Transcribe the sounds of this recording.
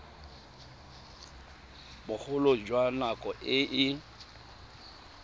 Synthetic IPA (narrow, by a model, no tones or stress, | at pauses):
bʊk͡xʰʊlod͡ʒwanakʼɔʔɪʔɪ